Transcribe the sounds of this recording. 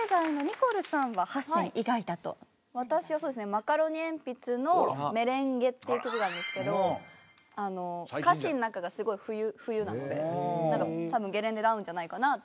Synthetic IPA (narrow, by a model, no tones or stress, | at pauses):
eɡaino̞ɲ̟iko̞ɾɯ̟sãɰ̃βahasẽʔiɡait̪at̪o̰ | βat̪aɕiβasoːd̪esɨnemakaɾo̞ɲ̟iẽ̞mpʲit͡sɨno̞me̞ɾẽ̞ŋɡe̞t̪ːejɯ̟ːkʲokiɡ̪ãd̪esɨ̥ke̞d̪o̞ | ano̞kaɕĩnːakaɡasɨɡo̞iɸɯ̟jɯ̟ɸɯ̟jɯ̟ːnano̞d̪e̞ãŋkat̪abɯ̟̃ŋɡe̞ɾend̪e̞ɾaɯ̟̃ɲ̟d͡ʑanaikana